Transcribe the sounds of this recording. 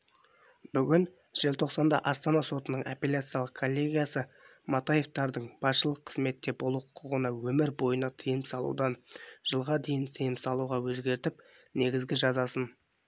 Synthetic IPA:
bʏɡʲɪn | ʒ̥ɪlt̪ʰo̞qsɑnd̪ɑ̰ʔɑst̪ɑnɑso̞t̪ənəɴapelʲat̪sɨjalˠəqkʰːolʲːe̞ɡʲijasə | mɑt̪aje̞ft̪ɑɾd̪əɴb̥ɑsʃəlˠəqʰːə̥zme̞t̪ːe̞bolˠuqʰʊqʰəʁənɑwɵmɪɾbo̞jənɑt̪ʰəjəmsɑlˠṵd̪ɑnʒ̥əlˠʁɑd̪e̞jɪnsejɪmsɑlˠuʁɑwɵzɡʲe̞ɾt̪ɪp | ne̞ɡʲɪzɡʲɪʒɑzɑsən

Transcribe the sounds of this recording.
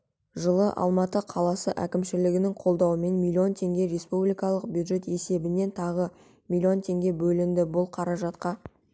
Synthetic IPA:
ʒəlˠəʔɑ̰lˠmɑt̪əqʰɑlˠɑsəʔækʲɪmʃɪlɪɡʲɪnɪŋqʰo̞lˠd̪ɑwəme̞nmʲilʲːio̞nt̪ʰe̞ŋɡʲe̞ɾe̞spublijkɑlˠəq̚bʲjud̪ʒe̞t̪e̞se̞bɪne̞nt̪ʰɑʁə | mʲilʲio̞nt̪ʰe̞ŋɡʲe̞bɵlɪnd̪ɪbʊlˠqʰɑɾɑʒɑt̪qɑ

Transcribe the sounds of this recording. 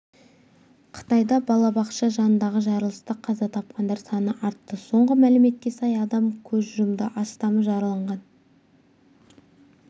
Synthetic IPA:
qʰə̥t̪ɑjd̪ɑbɑlˠɑbɑqʃɑʒɑnənd̪ɑʁəʒɑɾəlˠəst̪əqʰɑzɑt̪ʰɑp̚qɑnd̪ɑɾsɑnəʔɑɾt̪ːəso̞ɴʁəmælɪme̞t̪̚kʲe̞sɑjɑd̪ɑmkʲʰɵzʒʊmd̪əʔɑst̪ɑməʒɑɾəlˠɑɴʁɑn

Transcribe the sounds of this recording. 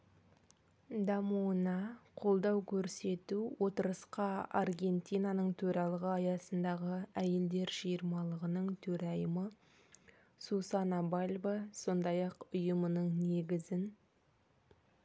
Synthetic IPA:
d̪ɑmuənɑqʰo̞lˠd̪ɑwkʲʰɵɾse̞t̪uwo̞t̪əɾəsqɑɑrɡʲe̞nt̪ijnɑnəɴt̪ʰɵɾɑlˠəʁəɑjɑsənd̪ɑʁəæje̞ld̪e̞ɾʒijəɾmɑlˠəʁənəɴt̪ʰɵɾɑjəmə | susɑnɑbalʲbəso̞nd̪ɑjɑqʊjəmənəɴne̞ɡʲɪzɪn

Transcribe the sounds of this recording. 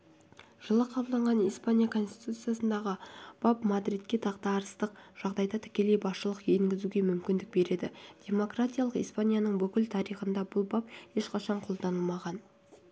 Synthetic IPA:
ʒ̥əlˠəqʰɑbəlˠd̪ɑɴʁɑnijspanʲijakʰo̞nst̪i̥t̪ut̪sɨjasənd̪ɑʁəb̥ɑpmad̪ɾit̪̚kʲːe̞t̪ʰɑqt̪ɑːɾəst̪əqʒ̥ɑʁd̪ɑjd̪ɑt̪ʰɪ̥kʲe̞le̞jbɑsʃəlˠəqje̞ŋɡʲɪzuɡʲe̞mʏmkʲɪnd̪ɪk̚be̞ɾe̞d̪ɪ̰d̪̥ʲe̞mo̞krat̪ʲijalˠəqḭspanʲijanəɴbʏkʲɪlt̪ʰɑɾijχənd̪ɑbʊlˠbaphe̞ʃqɑʃɑɴqʰo̞lˠd̪ɑnəlˠmɑʁɑn

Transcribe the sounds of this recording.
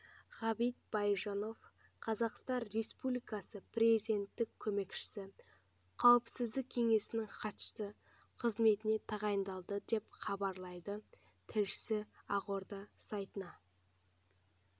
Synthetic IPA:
ʁɑbijt̪̚b̥ɑjʒɑno̞f | qʰɑzɑqst̪ɑnre̞spublijkɑsəpʰrʲezid̪ʲe̞nt̪ːɪkʲʰːɵme̞kʃɪ̥sɪ | qʰɑwəpsɪzd̪ɪk̚ʲʰe̞ŋe̞sɪnɪŋqʰɑt̪ə̥st̪ə | qʰəzme̞t̪ɪne̞t̪ʰɑʁɑjəmd̪ɑlˠd̪əd̪e̞pχɑbɑɾlˠɑjd̪ə | t̪ʰɪlʃɪ̥sɪɑʁo̞ɾd̪ɑsɑjt̪ənɑ

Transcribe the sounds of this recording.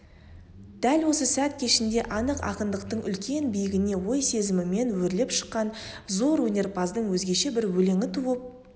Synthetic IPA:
d̪̥ælwo̞səsæt̪kʲʰeʃɪnd̪e̞ʔɑnəqɑ̰qənd̪əqt̪əɴʏlkʲe̞nbijɪɡʲɪne̞wo̞jse̞zɪmɪme̞nwɵɾle̞pʃə̥qːɑnzo̞ɾwɵne̞rpʰɑzd̪əɴwɵzɡʲe̞ʃe̞bɪɾwɵle̞ŋɪt̪ʰuwəp̚

